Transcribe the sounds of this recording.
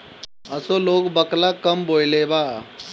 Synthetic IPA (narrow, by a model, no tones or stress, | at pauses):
ɐsoːloːɡbəklakɐmboːjleːbaː